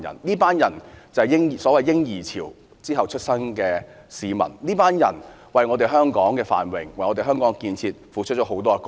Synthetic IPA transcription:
jɐ̰˨˩nliː˥paː˥njɐ˨˩nt͡sɐ˨jɪ˥ŋ˨˩sɔː˨˥wɐ˨jːɪ˥ŋjiː˨˩t͡sʰiː˨˩w | t͡siː˥ɦɐ˨wt͡ʃʰɵ˥t̚sɐ˥ŋkɛː˧ | siː˨mɐ̰˨˩nniː˥paː˥njɐ̰˨˩n | wɐ˨jŋɔː˨˧t̪e˨jɦœː˥ŋkɔː˨˥ŋkɛː˧fa̰ː˨nwɪ˨ŋwɐ˨jŋɔ˨˧t̪e˨˩ɦœː˥ŋkɔː˨˥ŋkiː˧nt͡sʰiː˧t̚fuː˨˥t͡ʃʰɵ˥t͡ʃɔː˨˥ɦo˨˥wt̪ɔː˥˧k

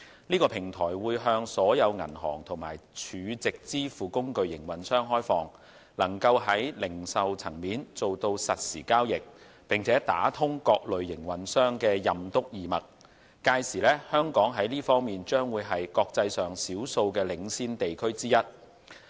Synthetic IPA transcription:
niː˥kɔː˧pʰɪ˨˩ŋt̪ʰɔː˨˩jwuː˨˧jɦœː˧ŋsɔː˨˥jɐ˨˧wŋɐ̰˨˩nɦɔ̰ː˨˩ŋt̪ʰʊ˨˩ŋma̰ː˨˩jt͡ʃʰyː˨˧t͡sɪ˨k̚t͡siː˥fuː˨kʊ˥ŋkɵ˧ɥjɪ˨˩ŋwɐ˨nsœː˥ŋɦɔː˥jfɔː˨ŋ | lɐ˨˩ŋkɐ˧wɦɐ˨˥jlɪ˨˩ŋsɐ˨wt͡sʰɐ˨˩ŋmiː˨˥nt͡so˨wt̪o˧wsɐ˨t̚sḭː˨˩kaː˥wjɪ˨k̚ | pɪ˨ŋt͡sʰɛː˨˥t̪a̰ː˨˥t̪ʰʊ˥ŋkɔː˧k̚lɵ˨ɥːɪ˨˩ŋwɐ˨˥nsœː˥ŋkɛː˧jɐ˨mt̪ʊ˥k̚jiː˨˩mɐ˨˩t̚ | kaː˧jsiː˨˩lɛː˥hœː˥ŋkɔː˨˥ŋɦɐ˨˥jliː˥fɔː˥ŋmiː˨nt͡ʃœː˥ŋwuː˨˧jɦɐ˨jkɔː˧k̚t͡sɐ˧jsœː˨ŋsiː˨˥wso˧wkɛː˧lɪ˨˧ŋsiː˥nt̪e˨jkʰɵ˥ɥt͡siː˥jɐ˥t̚

